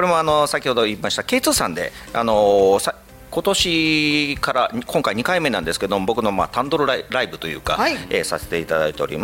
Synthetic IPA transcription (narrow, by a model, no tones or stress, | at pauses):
ko̞ɾe̞moano̞sakʲiho̞d̪o̞iːmaɕi̥t̪ake̞ːt͡sɨːsãnd̪e̞̰a̰no̞sa | ko̞t̪o̞ɕikaɾakʰõŋkaiɲ̟ikaime̞nãnd̪esɨ̥ke̞d̪o̞mo̞bo̞kɯ̟no̞ma̰ːt̪ãnd̪o̞ɾoɾaɾaibɯ̟t̪o̞jɯ̟ːka̰ḛsa̰se̥t̪e̞it̪ad̪ait̪e̞o̞ɾʲḭma